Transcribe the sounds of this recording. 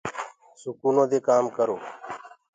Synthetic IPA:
sʊkuːnõːd̪eːkaːmkəɾoː

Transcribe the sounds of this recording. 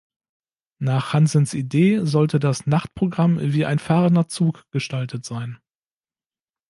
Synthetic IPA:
naːχhanzənsideːzɔltədasnaχt̚pʁ̥oɡʁamviːʔa̰ɪnfaːʁəndɐt͡suːkɡ̥əʃtaltʰətz̥aɪn

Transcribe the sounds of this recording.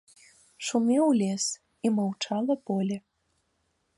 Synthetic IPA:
ʃumʲeulʲes | imowt͡ʃɑlˠəpolʲe

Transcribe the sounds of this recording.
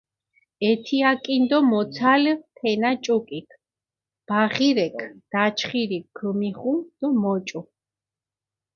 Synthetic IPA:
ɛt̪ʰiakʼind̪ɔmɔt̪sʰalt̪ʰɛnat͡ʃʼɔkʼikʰ | b̥aʁiɾɛkʰd̪̥at͡ʃʰχiɾiəmiχumd̪̥ɔmɔt͡ʃʼu

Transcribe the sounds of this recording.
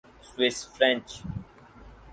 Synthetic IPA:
swɪsfɾɛ̃nt͡ʃ

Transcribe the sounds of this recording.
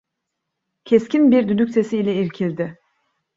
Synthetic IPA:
cʰescinbiɾd̪yd̪ycʲse̞siːlʲɛiɾcʰilʲd̪ɪ

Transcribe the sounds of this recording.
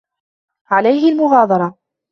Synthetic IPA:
ʕalajɦɪlmʊɣɑːd̪ˤɑɾˤɑ

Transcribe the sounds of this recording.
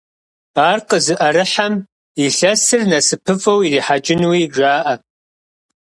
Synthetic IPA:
aːrqʼəzɨʔɐɾɨħam | iɬɐsɨrnɐsɨpʰɨfʼɐwiriːħat͡ʃʼɪnwiʒaːʔɐ

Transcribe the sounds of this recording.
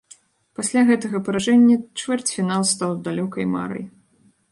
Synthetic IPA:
pasʲlʲaɣɛt̪ɐɣɐpɐɾaʐɛnʲːɐt͡ʂvʲɛrt͡sʲfʲin̪alˠst̪awd̪alʲɔkɐjma̰ɾɐ̰j

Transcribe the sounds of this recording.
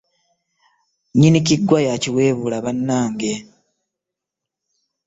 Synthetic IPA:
ɲinic̬iɡːwajaciwe̞ːβulaβanːaːŋɡe̞

